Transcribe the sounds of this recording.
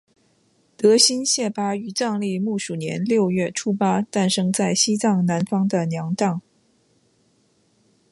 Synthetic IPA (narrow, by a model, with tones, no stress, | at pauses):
t̪ɤ˧˥ɕi˥nɕjɛ˥˩pa˥y˨˩t͡sɑ˥˧ŋli˥˧mu˥˩ʂu˨˩njɛ̰˧˥nljo˥˧ʊɥɛ˥˩ʈ͡ʂʰu˥pa˥t̪a˥˩nʂɤ˥ŋt͡sa˥˩ɪɕi˥t͡sɑ˥˩ŋna˧˥nfɑ˥ŋd̪ə˨njɑ˧˥ŋt̪ɑ˥˩ŋ